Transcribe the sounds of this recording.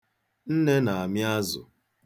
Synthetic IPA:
n̩˦ne˦na˨a˨mja˦zʊ̰˨

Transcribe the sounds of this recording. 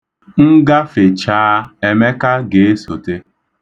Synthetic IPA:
ŋ̩˦ɡa˦fe˨t͡ʃaː˦e˨me˦ka˦ɡe˨e˦so˨te˦

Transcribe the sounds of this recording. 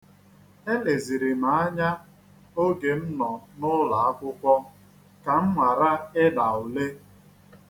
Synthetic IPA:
e˦le˨zi˨ɾi˨ma˨˦a˦ɲa˦ | o˦ɡe˨m̩˦nɔ˨nʊ˦la˨a˦kʷʊ˦kʷɔ˦ | ka˨m̩˦ŋʷa˨ɾa˦ɪ˦da˨ʊ˨le˦

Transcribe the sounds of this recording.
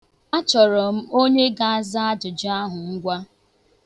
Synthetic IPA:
a˦t͡ʃɔ˨ɾɔ˨m̩˦o˦ɲe˦ɡa˨a˦za˦a˦d͡ʒʊ˨d͡ʒa˦ɦʊ˨ŋ̩˦ɡʷa˦

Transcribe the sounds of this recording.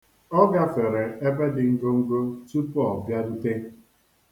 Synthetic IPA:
ɔ˦ɡa˦fe˨ɾe˨e˦be˦dɪ˨ŋ̩˦ɡo˦ŋ̩˦ɡo˦tu˦pɔ˨bja˦n̩˦te˦

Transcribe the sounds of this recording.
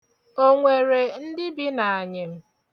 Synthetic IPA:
o˦ŋʷe˨ɾe˨n̩˦dɪ˦bi˦na˨a˨ɲɪ˨m̩˦

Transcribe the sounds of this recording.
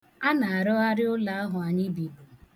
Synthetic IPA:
a˦na˨a˨ɾɔ˦a˦ɾɪ˦ʊ˦la˨˦a˦ɦʊ˨a˨ɲɪ˦bi˨

